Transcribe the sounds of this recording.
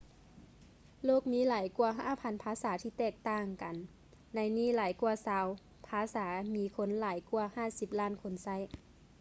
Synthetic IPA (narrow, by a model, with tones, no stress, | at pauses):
loː˥˩k̚miː˧˥˨laː˨˦jku˧ɐɦaː˧˥˩pʰa˧˥˨npʰaː˧˥saː˨˦t̪ʰiː˧˩t̪ɛː˧˩k̚t̪aː˧˩ŋka˨n | na˧˥jniː˧˥˩laː˨˩˦jku˧ɐsaː˧˦w | pʰaː˧˥saː˩˦miː˧˥kʰo˧˥nlaː˨˦jku˧ɐhaː˧˥˩si˨˧˦p̚laː˧˥˩nkʰo˧˥nsa˧˥˨j